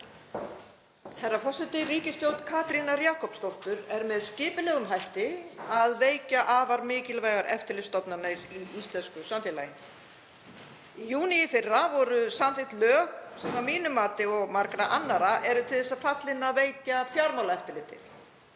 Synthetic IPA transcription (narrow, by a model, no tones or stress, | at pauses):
θɛrːafɔsɪt̪ɪriːcɪst̪jowlt̪kʰaːt̪ɾinaɾjaːkɔpst̪owl̥t̪ʏɾɛɾmɛðscɪːpɪlɛːɣʏmɦajht̪ɪaðveːjcaʔaːvaɾmɪːcɪlvaːjɣaɾʔɛ̰ft̪ɪɾlɪst̪ɔpnanaɾiist̪lɛnskʏsamfɛlajɪ | ijuːnɪjɪfɪrːavɔɾʏsamfɪht̪lœːɣsɛmamiːnʏmaːt̪ɪɔɣmaɾkɾaʔanːaɾaʔɛɾʏt̪ʰɪlðɛsːaðfat̪lɪnːaðveːjcafjaɾmawlaɛft̪ʏɾlɪːt̪ɪ̰